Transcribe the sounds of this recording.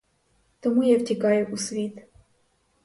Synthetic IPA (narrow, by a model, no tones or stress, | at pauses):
t̪ɔmujɛvtʲɛkajɛʔusvʲit̪